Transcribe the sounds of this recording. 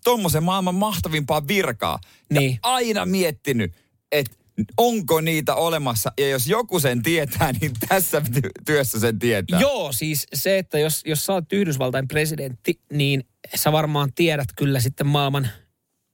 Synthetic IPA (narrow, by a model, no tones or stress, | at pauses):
t̪omːosemmɑilmɑmmɑht̪ɑʋimpɑːʋirkɑ̰ː | niːɑinɑ̰miet̪ːiny | et̪ | oŋkoniːt̪æolemɑsːɑjɑjosjokusent̪iet̪æːniːnt̪æsːæpit̪it̪yøsːæsent̪iet̪æ̰ːjoːsiːsseet̪ːæjosjossɑːt̪ːyhdys̬ʋɑlt̪ɑempresident̪ːiniːn | sæʋɑrmɑːnt̪ieɾæt̪kylːæs̬it̪ːemmɑilmɑn